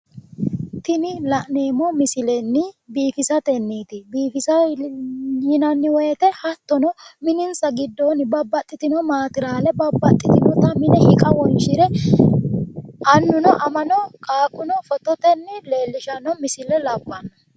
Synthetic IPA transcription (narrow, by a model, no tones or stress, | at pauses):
t̪ɪnɪlɐʔneːmɔmɪsɪlɛnːɪbiːfɪsɐt̪ɛnːiːt̪ɪbiːfɪsɐ | jɪnɐnːɪwɔjɛt̪ɛhɐt̪ːɔnɔmɪnɪnsɐɡɪd̪ːɔnɪbɐbːɐt̪ʼːɪt̪ɪnɔmaːt̪ɪɾaːlɛbɐbːɐt̪ʼːɪt̪ɪnɔt̪ɐmɪnɛhɪkʼɐwɔnʃɪɾɛ | ʔɐnːʊnɔʔɐmɐnɔkʼaːkʊnɔfɔt̪ɔt̪ɛnːɪle̞ːlːɪʃɐnɔmɪsɪlɛlɐbːɐnːɔ